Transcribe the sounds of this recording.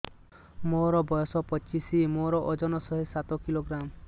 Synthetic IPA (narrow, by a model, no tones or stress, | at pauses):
moɾɔbɔjɔsɔpɔt͡ʃisimoɾɔʔɔd͡ʒɔnɔsɔɦesat̪ɔkiloɡɾam